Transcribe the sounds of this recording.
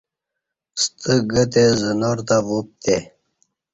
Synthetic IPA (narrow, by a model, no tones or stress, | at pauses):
st̪ʰəɡət̪ezənoɾt̪avup̚t̪e